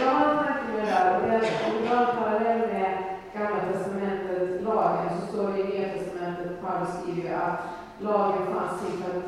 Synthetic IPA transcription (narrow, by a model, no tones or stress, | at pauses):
jɑːaɾət̪ʰaŋkːəmd̪æːɾɔd̪ɛaɔmd̪ɪbɑːɾpʰaɾalɛlːmɛ | ɡ̥amlat̪ʰɛst̪amɛnt̪ət̪lɑːɡənsɔst̪oːɾɪɪniːat̪ʰɛst̪amɛnt̪ət̪fʰaɾst̪iːɾəʔat̪ | lɑːɡənfa̰nst̪ʰɪlfat̪